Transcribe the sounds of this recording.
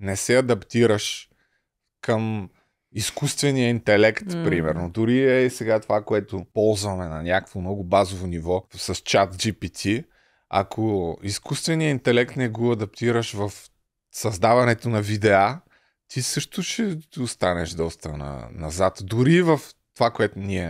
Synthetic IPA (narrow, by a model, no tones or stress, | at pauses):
nɛsɛɐd̪ɐpt̪iɾəʃ | kəm | iskust̪vɛnijəint̪ɛlɛkt̪pɾimɛɾnʊd̪ʊɾiɛsɛɡat̪ovakoɛt̪ʊpɔlˠzvɐmɛnɐnʲakəkvomnɔɡʊbazovonivɔsɐst͡ʃat̪d͡ʒipit̪ʲʰi | ɐ̰kʰoiskust̪vɛnijəint̪ɛlɛkt̪nɛɡoɐd̪ɐp̚t̪iɾəʃvɐf | sɐzd̪avɐnɛt̪onɐvid̪ɛa | t̪ʰisɤʃt̪ʊʃɛʊst̪anɛʃd̪ɔst̪ənɐ̰nɐ̰zat̪d̪ʊɾivɐft̪ovakoɛt̪ʊniɛ